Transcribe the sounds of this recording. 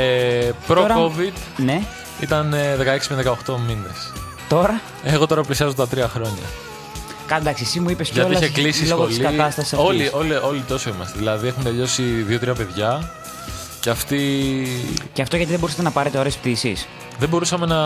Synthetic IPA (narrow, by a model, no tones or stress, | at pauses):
epɾoɾɐkovid̪ne̞ | ḭt̪ɐnðekɐekspeðekɐoxt̪o̞mines | t̪o̞ɾɐ | eɣo̞t̪o̞ɾɐplisiɐzot̪ɐt̪ɾiɐxɾo̞ɲɐ̰ | kɐd̪ɐksiesimuipesɐt̪olɐsçeklisiso̞ɣolsiɡɐt̪ɐst̪ɐsolio̞lio̞lit̪o̞so̞imɐst̪eðilɐðie̞xunt̪e̞ʎo̞siðio̞t̪ɾiɐpe̞ðʝɐ | ceɐft̪i | ceɐft̪o̞ʝɐt̪iðe̞bousɐ̥t̪enɐpɐɾet̪eoɾespðisis | ðeboɾusɐme̞nɐ